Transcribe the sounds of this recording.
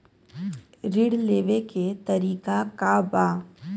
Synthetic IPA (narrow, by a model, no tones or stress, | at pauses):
ɾɪɽleːʋeket̪ɐɾiːkakabaː